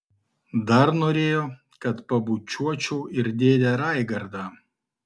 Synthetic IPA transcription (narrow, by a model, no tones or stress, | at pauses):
d̪ɐɾnoːɾʲeːjoː | kɐt̪pɐbuːt͡ʃʲuɔt͡ʃʲuːɪɾd̪ʲeːd̪ʲæːɾɑˑɪɡɐɾd̪ɑː